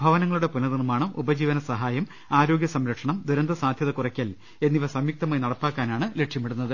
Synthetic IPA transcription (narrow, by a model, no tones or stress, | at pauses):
bʱɐʋɐnɐŋːɐɭuɽe̞punɐðinumaːɳɨʔubɐd͡ʑiːʋɐnɐsɐɦaːjɐm | aːɾo̞ːɡʲjɐsɐmɾɐkʂɐɳɐmd̪ʱuɾɐnd̪ɐsaːd̪ʱjɐðɐkurɐkʲːɐl | e̞nːiʋɐsɐmjɐk̚t̪ɐmaːjnɐɽɐpːaːkːaːnaːɳɨle̞ʈʂjɐmiɽunːɐðɨ